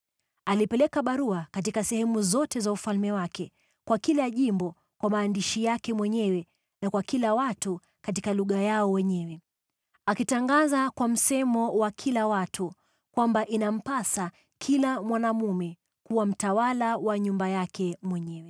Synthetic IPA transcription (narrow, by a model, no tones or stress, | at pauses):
alipɛlɛkaɓaɾuakat̬ikasɛhɛmuzɔtɛzaufalmɛwakɛ | kwakilaʄimbɔ | kwamaːndiʃijakɛmwɛɲɛwɛ | nakwakilawatu | kat̬ikaluɠajaɔwɛɲɛwɛ | akitaŋɡazakwam̩sɛmɔwakʰilawatʰu | kwambaʔinam̩pasa | kʰilamwanamumɛ | kuwam̩tawalawaɲumbajakɛmwɛɲɛwɛ